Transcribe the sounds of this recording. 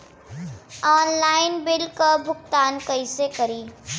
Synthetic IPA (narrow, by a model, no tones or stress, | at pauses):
ɔːnlaːɪnbɪlkabʱʊɡ̚t̪aːnkɐɪsekɐɾiː